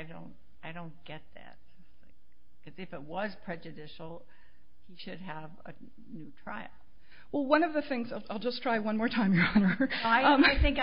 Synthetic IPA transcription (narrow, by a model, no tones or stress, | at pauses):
ɪdõ̰ʊ̃nt̚ | aɪɾõʊ̃nɡ̥ɛt̪̚ðæ̰t̚ | aɪ | kʰʌzɨfɨt̚wʌz̥pʰɹ̥ɛd͡ʒɨdɪʃl̩ˠ | hiʃɨd̚əvɨ̰ | nʉtʰɹ̥a̰ɪl̩ˠ | wɛlˠwʌ̃nʌvðɨθɪ̃ŋzaɪlˠaɪlˠd͡ʒʌstʰɹ̥aɪwʌ̃nmɔɹtʰãɪ̃mjə˞ɑnə˞aɪʌ̃ɪθɪ̃ŋk